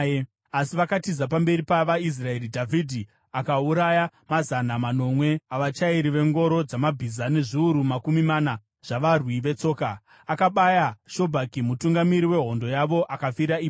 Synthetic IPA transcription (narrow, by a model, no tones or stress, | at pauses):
asiʋakatizap̬ambe̞ɾipaʋais̬rae̞ɾidʱavʱidʱi | akauɾajamazanamano̞mwe̞aʋat͡ʃaiɾiʋe̞ŋɡo̞ɾo̞d͡zamabʱizane̞ʐiuɾumakumimana | ʐ̥aʋarwiʋe̞t͡so̞ːka | akaɓajaʃo̞bʱakimutuŋɡamiɾiwe̞ɦo̞ndo̞jaʋo̞ʔakafiɾaiː